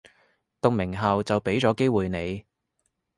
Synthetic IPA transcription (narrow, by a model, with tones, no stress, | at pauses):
t̪ʊ˨k̚mɪ˨˩ŋɦɐ˨wt͡sɐ˨wpe˨˥jt͡sɔː˨˥ke˥jwuː˨jne˨˧j